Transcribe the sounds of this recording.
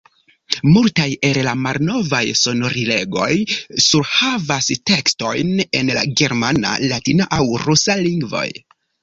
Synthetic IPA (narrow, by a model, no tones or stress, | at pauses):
multaje̞llamalno̞vajso̞no̞ɾile̞ɡo̞̰jsuɾhavaste̞ksto̞̰jne̞̰nla̰ɡe̞ɾmana̰latinaʔawɾusaliŋɡvo̞̰j